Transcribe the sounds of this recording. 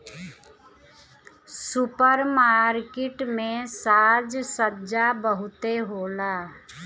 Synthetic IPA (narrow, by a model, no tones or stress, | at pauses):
sʊpəɾmaːɾkɪʈmẽsaːd͡ʒsəd͡ʒabəɦʊt̪eɦoːlaː